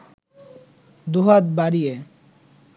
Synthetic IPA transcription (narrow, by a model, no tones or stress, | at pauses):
d̪uɦat̪̚baɽije